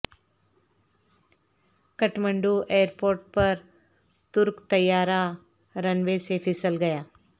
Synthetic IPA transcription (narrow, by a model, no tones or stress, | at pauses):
kɐʈmə̃ɳɖuʔeːəɾpoːɾʈ̚pɐɾ | t̪ʊɾkt̪ɐjːaːɾa | ɾɐnʋesepʰɪsəlɡɐjaː